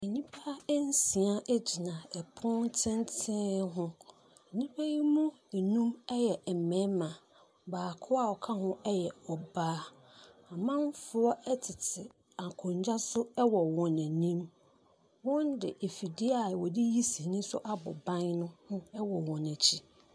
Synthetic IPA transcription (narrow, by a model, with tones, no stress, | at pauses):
ɛ˨ɲĩ˦pʰa˦ɛ˦n̩˦si˨a˦ʔæ˦d͡ʑi˨nã˨ɛ˨pʰʊ̃˦n˦tʰɪ̃˦n˦tʰɪ̃˦ɦʊ̃˦ | ɛ˨ɲĩ˦pʰa˦ji˦mũ˦˨ | nũ˦mɛ˦jɛ˨ɛ˨mɛ̃˨˦mã˨ | baː˨kʰʊ˦a˦˨ɔ˨kʰa˦ɦʊ̃˦ɛ˦jɛ˨ɔ˨baː˦ | a˨mã˦m˦fʊ˨˦ɔ˦ʔɛ˦tʰɪ˨tʰɪ˨ | a˨kʰʊ̃˨ɲ˨d͡ʑa˦sʊ˦ɛ˦wɔ˨wɔ̃˨næ̃˨nĩ˦m | wɔ̃˦ndɪ˨e˨fi˨di˦a˨wɔ˨dɪ˦ji˦si˨nĩ˦sʊ˦ʔa˦bɔ̰˨bã˦nnʊ̃˦nʊ̃˦ɛ˦wɔ˨wɔ̃˨næ˨t͡ɕʰi˨